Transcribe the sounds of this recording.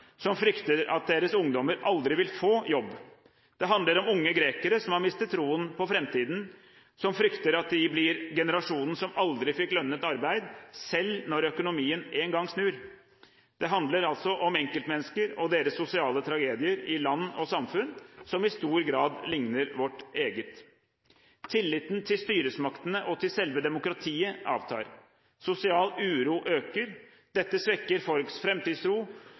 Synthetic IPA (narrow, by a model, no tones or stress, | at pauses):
sɔmfɾʏkt̪əɾɑ̰t̪̚d̪eːɾəsʊŋd̪ɔməɾɑld̪ɾɪʋɪlfoːjɔbː | d̪̥ɛɦɑnd̪əɾɔmʊŋːəɡɾeːkəɾəsɔmhɑɾmɪst̪ət̪ʰːɾuːənpɔfɾɛmt̪iːd̪n̩ | sɔmfɾʏkt̪əɾɑt̪̚d̪ɪblɪɾɡɛnəɾɑʂuːnn̩sɔmɑld̪ɾɪfɪkːlœnːət̪ɑɾbæɪd̪sɛlnɔɾœkʊnʊmiːəneːnɡɑŋːsnʉːɾ | d̪̥ɛɦɑnd̪ləɾɑlt̪sɔʔɔmɛŋkəlt̪mɛnːskəɾɔd̪eːɾəsːʊsɪɑːlət̪ʰɾɑɡeːd̪ɪəɾɪlɑnːɔsɑmfʉnsɔmɪst̪uːɾɡɾɑːd̪lɪŋnəɾʋɔʈeːɡət̪ | t̪ʰːɪlːɪt̪ːnt̪ʰɪlst̪yːɾəsmɑkt̪ənəʔɔt̪ʰɪlsɛlʋəd̪ɛmʊkɾɑt̪ʰiːəʔɑ̰ːʋt̪ʰɑ̰ːɾ | sʊsɪɑːlʉːɾuːʔøːkəɾ | d̪̥ɛt̪ːəsʋɛkːəɾfɔlksfɾɛmt̪iːd̪sɾuː